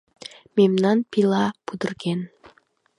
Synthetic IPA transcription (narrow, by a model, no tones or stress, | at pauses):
memnɑnpilˠɑb̥ud̪ɪ̆ɾɡen